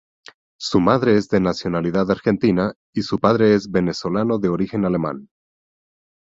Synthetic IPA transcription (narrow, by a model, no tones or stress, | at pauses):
sumaðɾe̞ezðe̞nasjo̞naliðaðaɾxe̞nt̪ina | isupaðɾe̞ezβe̞ne̞so̞lano̞ðe̞o̞ɾixe̞nale̞mã̰n